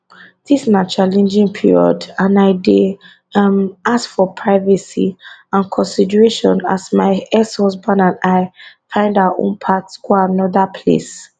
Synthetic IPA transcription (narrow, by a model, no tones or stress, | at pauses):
ðisinat͡ʃalɛ̃nd͡ʒĩŋpʰiɹiɔ̰dãnaɪde | ʌmaskfɔpʰɹaɪvɛsḭãnkʰɔ̃nsidəɹeʃɔ̃nasmaɪɛshɔsbãnãnaɪfãɪ̃ndawaʔõ̰npʰatsɡ̥oanɔðəpʰlḛs